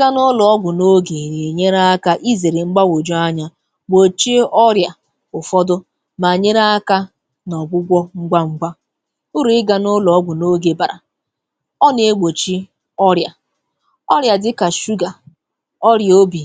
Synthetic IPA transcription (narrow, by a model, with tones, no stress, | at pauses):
ɪ˦ɡa˦nʊ˦lɔ˨ɔ˦ɡʷʊ˨no˦ɡe˨ɾe˨ɲe˦ɾa˦a˦ka˦ʔi˦ze˨ɾe˨ŋ͡m̩˦ɡ͡ba˦wo˨d͡ʒo˦a˦ɲa˦ | ɡ͡bo˨t͡ʃi˦ɔ˦ɾja˨ | ʊ˨fɔ˦dʊ˦ | ma˨ɲe˦ɾa˦a˦ka˦ | nɔ˨ɡ͡bʷʊ˦ɡʷɔ˦ŋ͡m̩˦ɡ͡ba˦ŋ͡m̩˦ɡ͡ba˦ | ʊ˦ɾʊ˨ɪ˦ɡa˨nʊ˦lɔ˨ɔ˦ɡʷʊ˨no˦ɡe˨ba˨ɾa̰˨ | ɔ˦ne˨e˦ɡ͡bo˨t͡ʃi˦ | ɔ˦ɾja˨ | ɔ˦ɾja˨dɪ˦ka˨ʃu˦ɡa˨ | ɔ˦ɾjo˦bi˨